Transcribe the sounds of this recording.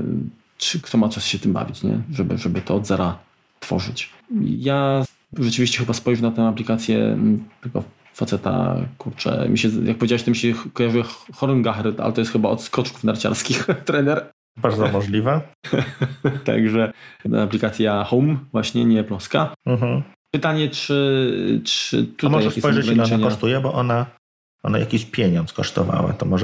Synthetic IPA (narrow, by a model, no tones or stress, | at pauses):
t͡ʂɘkt̪ʰɔmat͡ʂasɕɛt̪ɘmba̰vʲit͡ɕɲɛ̰ʐɛbɘ̰ʐɛbɘt̪ɔːd̪zɛɾa | t̪fɔ̰ʐɘt͡ɕ | ja | ʐɛt͡ʂɨvʲiɕt͡ɕɛxɘbaspɔjʐunat̪ɛw̃aplʲikat̪sʲjɛ̰t̪ɛɡɔ̰ | fat̪sɛt̪a̰kuɾt͡ʂɛ̰mʲḭɕɛjak̚pɔvʲjed͡ʑawɛɕt̪ɔmʲiɕɛkɔjaʐɨxɔɾnɡaxɛɾt̪a̰lɛ̰t̪ɔjɛst̪xɘbaɔt̪skɔt͡ʂku̥fnaɾt͡ɕa̰ɾskʲixt̪ɾɛnɛɾ | baɾd̪zɔmɔʐlʲiva | t̪a̰ɡʐɛaplʲikat̪sʲjaxɔwmvwaɕɲɛɲɛplɔskam̩ɦm̩ | pɘt̪aɲɛt͡ʂɘt͡ʂɘ̰t̪umɔajʐɛk̪espɔjʐɛɡɾaɲiaɲkɔʂt̪ujɛbɔʔɔna | ɔnaja̰kʲiɕpʲjeɲɔnt̪skɔʂt̪ɔva̰wa̰t̪ɔmɔʐ